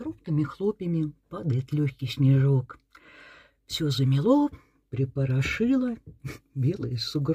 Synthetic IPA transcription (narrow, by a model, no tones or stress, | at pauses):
ɾup̚t̪ɨmʲɪxlˠopʲɪmʲɪpad̪əɪt̪lʲoçʲkʲɪjsʲnʲɪʐok | fsʲozəmʲɪlˠo | pɾʲɪpəɾɐʂɨlˠəbʲe̞lˠəjəsʊɡɾ